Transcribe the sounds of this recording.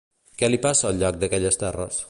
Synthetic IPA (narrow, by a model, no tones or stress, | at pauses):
kɛlipasəːlʎɔk̚d̪əkɛʎəst̪ɛrə̰s